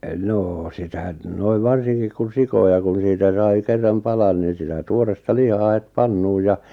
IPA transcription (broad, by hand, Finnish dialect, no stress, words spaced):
noː sitæ n noiʋ ʋɑrsiŋkik kun̞ sikojɑ kun̞ siːtæ sɑi kerːɑm pɑlɑn nin̞ sitæ tuorestɑ lihɑː het pɑnːuːj̆ jɑ